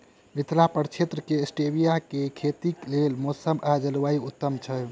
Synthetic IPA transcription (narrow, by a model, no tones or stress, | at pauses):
mit̪ʰlapəɾt͡ʃʰet̪ɾəkesʈebijakekʰet̪iklelmosəmʔad͡ʒəlʋaiut̪ːəmt͡ʃʰɛ